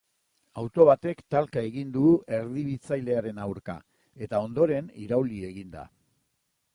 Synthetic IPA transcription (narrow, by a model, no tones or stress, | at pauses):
awt̪o̞βat̪e̞kt̪alkae̞ɣind̪uʔe̞ɾðiβit͡sajle̞aɾe̞nawɾka̰ | e̞t̪ao̞nd̪o̞ɾe̞nḭɾawlie̞ɣind̪a̰